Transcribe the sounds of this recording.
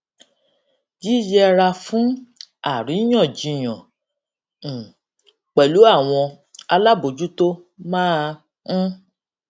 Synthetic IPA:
d͡ʒi˦d͡ʒɛ˧ɾa˧fũ˦a˦˨ɾĩ˨˦j̃ɔ̃˦˨d͡ʒi˧j̃ɔ̃˨ | k͡pɛ˨lu˨˦a˦˨w̃ɔ̃˧ | a˧la˦bo˨d͡ʒu˦to˦ | mãː˦˨˧

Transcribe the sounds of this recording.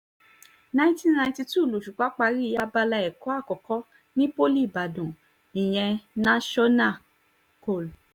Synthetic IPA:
nã˧˦ĩ˦ti˦˨nã˧ĩ˧˦ti˧tu˦˨lu˨ʃu˨k͡pa˨˦k͡pa˧ɾi˦˧ja˧ba˧la˧ɛ˨kɔ˨˦a˦˨kɔ˨kɔ˦ | nĩ˦po˦li˦˨ba˨dũ˨ | i˨j̃ɛ̃˧nã˦ʃɔ˦na˦˨ | ko˨l

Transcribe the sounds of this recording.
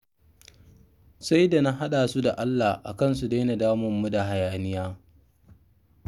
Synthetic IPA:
sa˦jda˨na˦ɦa˦ɗaː˨su˦da˨ʔa˦lːa˨hʔa̰˨kɐ˦˨ns̬u˨da˦jna˨daː˦mʊ˨mːu˦da˨ɦa˨jaː˨nɪ˦jaː˦

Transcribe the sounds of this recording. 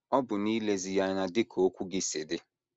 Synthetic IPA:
ɔ˦bʊ˨ni˦le˦zi˨ja˨na˨dɪ˦kʰo˨o˦kʷu˦ɡɪ˦sɪ˨dɪ˦

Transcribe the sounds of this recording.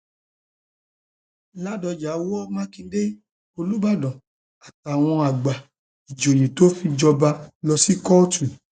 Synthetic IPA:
la˦dɔ˧d͡ʒa˨˦wɔ˦mã˦kĩ˧de˦ | o˧lu˦ba˦˨dɔ̃˨ | a˨ta˨w̃ɔ̃˧a˨ɡ͡ba˨ | i˨d͡ʒo˨j̃ĩ˨to˦fi˧d͡ʒɔ˧ba˧lɔ˧si˦kɔ˦tu˨

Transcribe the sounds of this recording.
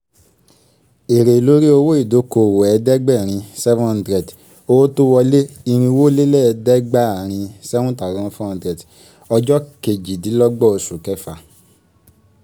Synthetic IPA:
e˨ɾe˨lo˨˦ɾi˦o˧wo˦i˦˨do˨˦ko˨wɛ˨˧dɛ˦ɡ͡bɛ˦˨ɾ̃ĩ˧sɛ˦vɔ̃˦ã˨dɾɛ˨t | o˧wo˦to˦wɔ˧le˦i˧ɾ̃ĩ˧wo˦le˦lɛ˦˧dɛ˦ɡ͡ba˦a˨ɾ̃ĩ˧sɛ˦vũ˦ta˨ɡɔ̃˧˦fɔ̃˦ã˨˧dɾɛ˨t | ɔ˧d͡ʒɔ˦ke˨d͡ʒi˨di˨˦lɔ˦ɡ͡bɔ˦˨o˧su˨kɛ˦fa˨

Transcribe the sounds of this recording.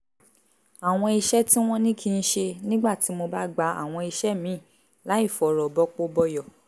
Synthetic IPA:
a˨w̃ɔ̃˧i˧ʃɛ˦tĩ˦w̃ɔ̃˦nĩ˦kʰi˦˧n̩˦ʃe˧nĩ˦ɡ͡ba˦˨ti˨˦mo˧ba˦ɡ͡ba˧a̰˨w̃ɔ̃˧i˧ʃɛ˦mĩ˨˦˨ | la˨˦i˦˨fɔ˨ɾɔ˨bɔ˦k͡po˦bɔ˧jɔ˨

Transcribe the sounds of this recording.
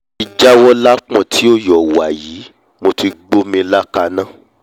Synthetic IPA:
i˨d͡ʒa˦wɔ˦la˦k͡pɔ̃˨tʰi˨˦o˦˨jɔ˨wa˨jiː˨˦ | mo˧ti˧ɡ͡bo˦mĩ˧la˦ka˧nã˦˨

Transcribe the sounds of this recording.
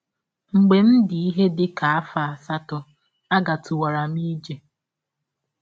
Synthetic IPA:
ŋ͡m̩˨ɡ͡be˨n̩˦dɪ˨i˦ɦe˦dɪ˦ka˨a˦fa˨a˨sa˦tɔ˨ | a˦ɡa˨tu˨wa˨ɾa˨m˦i˦d͡ʒe˨

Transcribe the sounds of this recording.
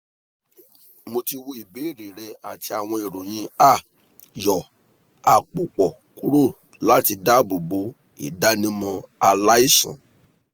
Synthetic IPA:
mo˧ti˧wo˧˦i˨be˨˦i˦˨ɾi˨ɾɛ˧a˨ti˧a˨w̃ɔ̃˧e˨ɾo˨j̃ĩ˧˦a˦˨ | jɔ˨ | a˨k͡pu˨k͡pɔ˨ | ku˦ɾo˦˨ | la˦ti˧da˦bo˨bo˨˦ | ḭ˨da˦nĩ˦mɔ̃˧a˧la˦i˦˨sã̰˨

